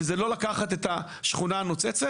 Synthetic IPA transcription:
zelo̞lakaχat̪e̞t̪a | ʃχunaːnot͡set͡se

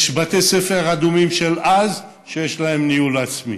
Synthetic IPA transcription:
ʃbat̪esefeʁad̪umimʃelaz | ʃejeʃlaemniulat͡smḭ

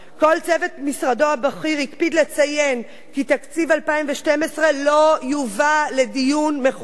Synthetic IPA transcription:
ko̞lt͡sevetmisʁado̞habaχiʁhikpidlet͡saje̞n | kit̪akt͡sivalpaimveʃtemesʁe̞lo̞juvale̞dijunmeχ

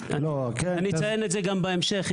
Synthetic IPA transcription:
ʔalokeanisajenetzeɡambaemʃeχ

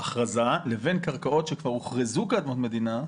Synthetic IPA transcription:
aχʁazaleve̞nkaʁkaʔo̞t̪ʃekvaʁuχʁezukaad̪mot̪me̞d̪ina

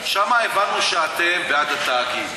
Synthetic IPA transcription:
ʃɐmajbɐnuʃaːt̪ebaːɡɐt̪aːki

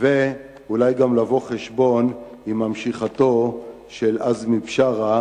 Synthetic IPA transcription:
ve | ulajɡamlavoχeʃbo̞n | imamʃiχat̪o̞ | ʃelazmipʃaʁa

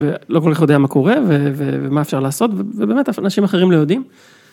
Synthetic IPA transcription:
velo̞kolkaχjo̞d̪eamako̞ʁe̞vevevemaefʃaʁlaːso̞tvevebeːmetaanaʃimaχeʁimlo̞jod̪im

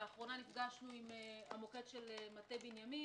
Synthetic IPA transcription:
aχʁo̞nanifɡaʃnuimeamoketʃe̞lematebinjami

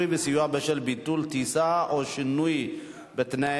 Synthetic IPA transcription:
jbesijuabɛʃɛlbit̪ːult̪isaʔoʃinuj | bɛt̪na

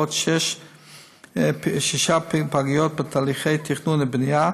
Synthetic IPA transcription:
otʃɛʃ | ʃiʃappaɡijot̚betʰaːliχejt̪ʰiχnunɪbnija

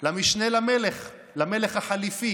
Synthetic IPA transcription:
lamiʃnelameleχ | lame̞leχhaħalifi

